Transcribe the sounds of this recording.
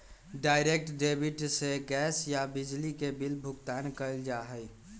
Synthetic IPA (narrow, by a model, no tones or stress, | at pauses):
ɖaɪɾek̚ʈɖebʱiʈseɡɛːsjabɪd͡ʒlikebilbʱʊɡt̪aːnkəɪld͡ʒaɦəj